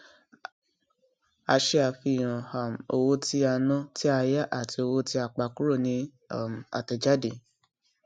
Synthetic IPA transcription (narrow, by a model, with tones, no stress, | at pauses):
a˧ʃe˧a˧˨fi˧˨j̃ã˨ha˨mo˧wo˦ti˦a˧nɔ̃˦ti˦a˧ja˦ʔa˦˨ti˧o˧wo˦ti˦a˧˨k͡pa˨˧ku˦ɾo˦˨nĩ˧˦˨ | m˨a̰˨tɛ˨d͡ʒa˦de˨